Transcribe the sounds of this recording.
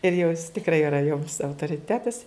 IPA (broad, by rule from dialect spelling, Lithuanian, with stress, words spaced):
ɪr jɛʊ jɪs tʲɪkˈrɐɪ ɪˈrɐ joːms ɐʊtoːrʲɪˈtʲæːtɐs